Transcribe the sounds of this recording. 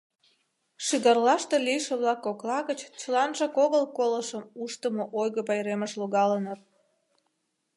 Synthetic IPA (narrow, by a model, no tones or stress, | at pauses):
ʃiɣɑrlɑʃt̪elijʃĕβlɑkːoklɑɣət͡ɕt͡ɕəlɑnʒɑkoɣəlkoləʃəmuʃt̪əmoʔojɣəpɑjɾeməʃloɣɑlənət̪